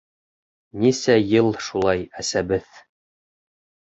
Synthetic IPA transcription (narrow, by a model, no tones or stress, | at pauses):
nisæjɤlˠʃulˠɑjæsæbɘð